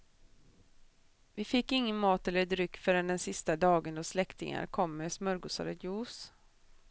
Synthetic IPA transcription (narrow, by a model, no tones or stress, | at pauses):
vɪfɪkːɪŋːənmɑːt̪ɛlːəd̪ɾʏkːfœːɾand̪ɛnsɪst̪ad̪ɑːɡənd̪ɔslɛkt̪ɪ̰ŋa̰ɾkʰɔmːɛsmœɾɡʊsa̰ɾəjuːs